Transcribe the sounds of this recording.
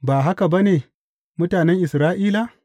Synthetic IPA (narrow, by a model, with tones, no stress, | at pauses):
baː˨ɦa˦ka˨ba˦neː˨ | mʊ˦taː˨nɛ˦ŋʔɪ˨sɾaː˦ʔiː˦la˨